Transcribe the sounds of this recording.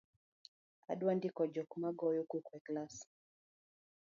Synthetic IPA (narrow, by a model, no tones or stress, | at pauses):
a̰ɗwandikɔd͡ʒɔkumaɡɔjukukwɛklas